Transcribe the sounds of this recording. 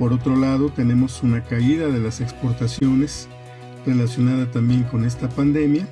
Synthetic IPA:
po̞ɾo̞t̪ɾo̞laðo̞t̪e̞ne̞mo̞sunakaiðaðe̞lase̞kspo̞ɾt̪asjo̞ne̞s | re̞lasjo̞naðat̪ambje̞ŋko̞ne̞s̬t̪apand̪e̞mja

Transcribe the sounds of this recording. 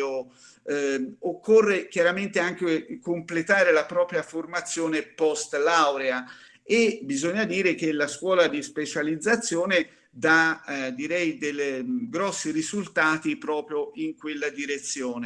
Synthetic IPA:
o | okːorːek̟jaɾament̪eaŋk̟ekomplet̪aːɾelapɾɔːpɾjaformat̪sːjoːnepɔst̪lawɾea | ebizoɲːad̪iːɾek̟elaskwɔːlad̪ispet͡ʃalid̪zːat̪sːjoːne | d̪ad̪iɾɛjd̪elɡɾɔsːiɾizult̪aːt̪ipɾɔːpɾjoiŋkwelːad̪iɾet̪sːjoːne

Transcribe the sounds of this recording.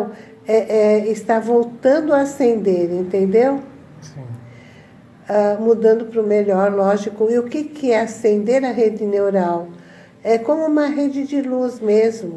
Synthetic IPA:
w | ɛʔɛɪst̪avowt̪ɐ̃nd̪ʊɐasẽnd̪eɾẽnt̪ẽnd̪ew | ĩ | amud̪ɐ̃nd̪ʊpɾʊmeʎɔɾlɔʒikʊɪʊkɪkɪɛasẽnd̪eɾɐɦed͡ʒɪnewɾaw | ɛkõmʊũmɐɦed͡ʒɪd͡ʒɪluzmezmʊ

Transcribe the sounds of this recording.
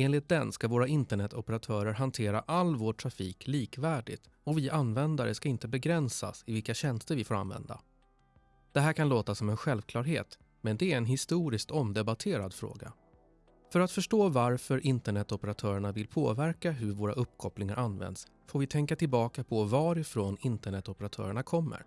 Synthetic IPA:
eːnlɪt̪̚d̪ɛnskavoːɾaɪnt̪əɳɛt̪ːɔpɛɾat̪ʰœːɾəɾɦant̪ʰeːɾa̰ʔalːvoːʈʰːɾafiːkʰliːkvæːɖɪ̰t̪ | ɔvɪʔanːvɛnd̪aɾəskaɪnt̪əbɛɡɾɛnsa̰sɪvɪlkaɕɛnst̪əɾvɪfoːɾa̰nvɛ̰nd̪a̰ | d̪̥ɛɦæːɾkʰanloːt̪asɔmɛnɧɛlvkʰlɑːɾɦeːt̪ | mɛnd̪ɛæɾɛnɦɪst̪uːɾɪskt̪ɔmd̪ɛbat̪ʰeːɾad̪fɾo̰ːɡa̰ | fœɾat̪fœʂʈoːvaɾfœɾʔɪnt̪əɳɛt̪ːɔpɛɾat̪ʰœːɾəɳavɪlpʰo̰ːvæɾkaɦɵɾvoːɾa̰ʔɵpːkʰɔplɪŋaɾʔanːvɛ̰nd̪s | foːɾvɪt̪ʰɛŋkat̪ɪlbɑːkapʰɔvɑɾɪfɾoːnɪnt̪əɳɛt̪ːɔpəɾat̪ʰœ̰ːɾəɳakʰɔmːə̰ɾ

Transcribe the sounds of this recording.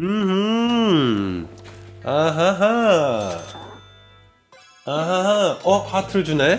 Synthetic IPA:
mɯhɯ | aɦaɦa | aɦaɦaʌkʰatʰɯɭd͡ʑune

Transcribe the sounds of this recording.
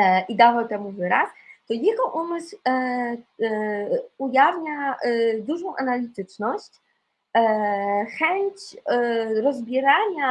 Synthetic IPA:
ʔid̪avawt̪ɛmuvɘɾast̪ɔjeɡɔʔumɘsw | ujavɲad̪uʐɔ̃w̃ʔanalʲit̪ɘt͡ʂnɔɕt͡ɕ | xɛɲt͡ɕ | ɾɔzbʲjɛɾaɲa

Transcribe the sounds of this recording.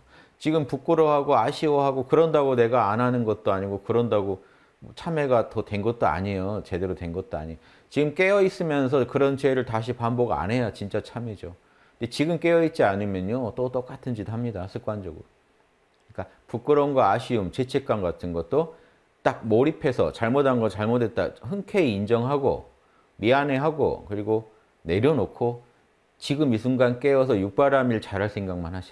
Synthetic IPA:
t͡ɕiɡɯmpuk͈ɯɾoɦaɡoaɕʰiwoɦaɡokɯɾʌndaɡone̞ɡaːnɦanɯnɡʌt̚t͈oaɲiɡokɯɾʌndaɡo | ʌ̰t͡ɕʰame̞ɡatʌtwe̞nɡʌt̚t͈oa̰ɲejot͡ɕe̞de̞ɾotwe̞nɡʌt̚t͈oa̰ɲijo | t͡ɕiɡɯmk͈e̞ʌis͈ɯmjʌns̬ʰʌkɯɾʌnt͡ɕeɾɯɭtaɕ̬ʰipambʌɡa̰nɦe̞jat͡ɕint͡ɕ͈at͡ɕʰame̞d͡ʑo | ndet͡ɕiɡɯmk͈e̞ʌit̚t͡ɕ͈ianimjʌɲot͈ot͈ok͈atʰɯnd͡ʑidoɦamɲidasʰɯk͈̚wand͡ʑʌ̰ɡɯ̰ɾo | ɲik͈a | puk͈ɯɾʌnɡwaːɕʰiumt͡ɕe̞t͡ɕʰe̞k͈wanɡatʰɯnɡʌt̚t͈o | t͈ak̚moɾipʰe̞sʰʌ̰t͡ɕaɭmodaŋɡʌt͡ɕaɭmodwe̞t̚t͈a̰ɸɯnkʰeiind͡ʑʌŋɦaɡo̰ | miane̞ɦaɡo̰kɯɾiɡo | ne̞ɾjʌnokʰo | t͡ɕiɡɯmisʰuŋɡank͈e̞ʌs̬ʰʌjuk̚p͈aɾamiɭt͡ɕaɾɦaɭs͈ʰe̞ŋɡaŋ̚manɦaɕʰi̥

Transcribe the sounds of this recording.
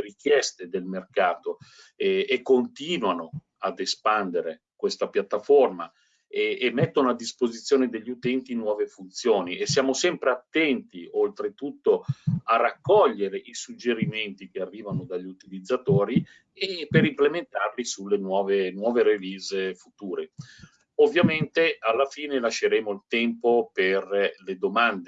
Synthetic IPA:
ɾik̟jɛst̪ed̪elmerkaːt̪o | ɛekːont̪iːnwano | ad̪espand̪eɾe | kwest̪apjat̪ːaforma | ɛːmːɛt̪ːonoad̪ːispozit̪sːjoːned̪eʎːut̪ɛnt̪inwɔːvefunt̪sjoːniesːjaːmosɛmpɾeat̪ːɛnt̪iolt̪ɾet̪ut̪ːoarːakːɔʎːeɾeʔisud͡ʒːeɾiment̪ikearːiːvanod̪aʎːiut̪ilid̪zːat̪oːɾi | epeɾimplement̪arlisulːenwɔːvenwɔːveɾeviːzefut̪uːɾe | ovːjament̪ealːafiːnelaʃːeɾeːmoilt̪ɛmpoperled̪omand̪e

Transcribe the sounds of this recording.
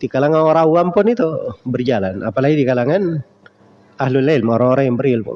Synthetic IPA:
d̥ikalaŋanoɾauampʊnit̪ubərd͡ʒalana̰palaɡidikalaŋan | ahlulːalmoɾaŋoɾaŋjaŋbərɪlpʊ̰n

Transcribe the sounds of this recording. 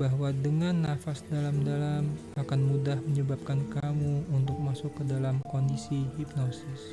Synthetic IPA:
baɦwadəŋanːafasdalamdalam | akanmudahməɲəbap̚kankamuunt̪ʊk̚masʊkːədalamkondisiɦip̚nosɪs

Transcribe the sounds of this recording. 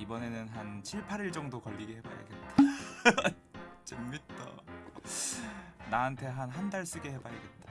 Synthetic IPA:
ibʌne̞nɯnɦant͡ɕʰiɭpʰaɾiɭt͡ɕʌŋdokʌʎːiɡehe̞ba̰ɾja̰ɡet̚t͈ḁ | t͡ɕemmit̚t͈ʌ̰ | naantʰe̞ɦanɦandaɭs͈ɯɡe̞ɦe̞baɾaɡe̞t̚t͈ḁ

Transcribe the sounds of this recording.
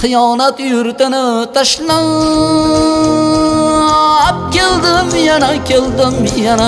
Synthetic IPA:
qɨjɒːnat̪jʊɾt̪ɪnɪt̪ʰaʃla | p̚kʲeld̪ɪmjanakʲʰeld̪ɪmjana

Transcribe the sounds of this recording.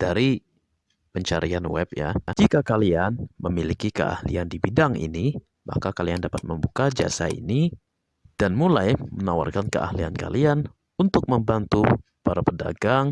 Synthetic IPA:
d̥aɾi | pəɲt͡ʃaɾianwɛpja̰d͡ʒikakalianməmilikikə̰ʔa̰hlḭandibidaŋḭni | ma̰hkakaliandapat̪̚məmbukad͡ʒa̰sa̰ḭni | d̥anmulajmənawa̰rkankəʔa̰hlianka̰lian | unt̪ʊk̚məmbant̪u | paɾapəda̰ɡaŋ

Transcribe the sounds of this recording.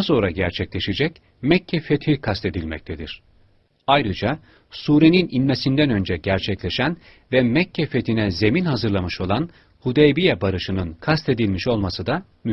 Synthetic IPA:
aso̞nɾaɟæɾt͡ʃʰɛclʲe̞ʃed͡ʒɛc | mɛcʰːɛfe̞t̪ʰikʰast̪e̞d̪ilʲmɛ̰c̚t̪ʰed̪iɾ̥ | ajɾɯd͡ʒa | suːɾe̞nininme̞sind̪ænø̞nd͡ʒɛɟæɾt͡ʃʰɛclʲe̞ʃæn | vɛmɛcʰːɛfe̞t̪ʰinɛze̞minhazɯɾlˠamɯʃo̞lˠan | hud̪ejbijɛbaɾɯʃɯnɯnkʰast̪e̞d̪ilʲmiʃo̞lˠmasɯd̪a | my

